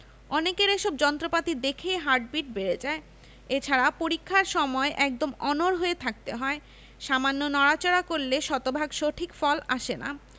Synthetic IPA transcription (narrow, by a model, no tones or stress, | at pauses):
ɔnekeɾeʃobd͡ʑɔnt̪ɾopat̪id̪ekʰeɦaɾʈ̚biʈ̚beɾed͡ʑae | et͡ɕʰaɾapoɾikʰːaɾʃɔmɔeʔɛk̚d̪omɔnoɾɦoet̪ʰak̚t̪eɦɔe | ʃamanːonɔɽat͡ɕoɾakoɾleʃɔt̪obʱaɡʃoʈʰikfɔlaʃena̰